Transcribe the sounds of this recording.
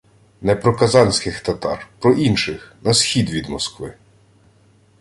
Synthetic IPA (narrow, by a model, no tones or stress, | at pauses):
nɛpɾɔkɐzɑnʲsʲkɪxt̪ɐt̪ɑ̰rpɾɔʔinʃɪxnɐsxʲid̪ʋʲid̪mɔskʋɪ̰